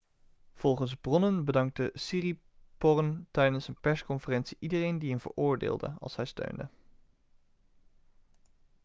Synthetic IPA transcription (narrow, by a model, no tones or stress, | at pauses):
v̥ɔlˠχənzbrɔnənbədɑŋk̚təsiːri | pɔrəntɛjdənsənpɛɹskɔnfərɛntsiʔidərejndiɦəmv̥ə̰ɹʊːɹdḛːlˠdə̰ɑ̰lˠsɦɛjstø̰ɥndə